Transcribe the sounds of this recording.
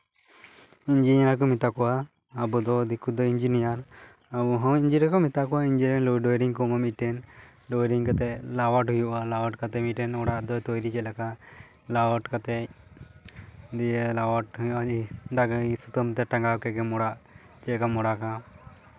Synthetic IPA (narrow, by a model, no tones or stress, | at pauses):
iɲd͡ʒinijaɾkɔmit̪akɔwaː | bud̪ɔd̪ikud̪ɔiɲd͡ʒinijaɾ | abuɦɔwiɲd͡ʒiɾakɔmit̪akɔwaiɲd͡ʒiɾɛnlɔɖɔjɾiŋkɔmamiʈɛn | ɖɔjɾiŋkat̪ɛʔlawaʈɦujuʔalawaʈkat̪ɛmiʈɛnɔɽaʔd̪ɔjt̪ɔjɾikɛlaka | lawɔʈkat̪ɛ | d̪ilawaʈɦujuʔaid̪aɡsut̪ɔmt̪ɛʈaŋɡawkɛɡɛmɔɽaʔ | t͡ʃɛkamɔɽaka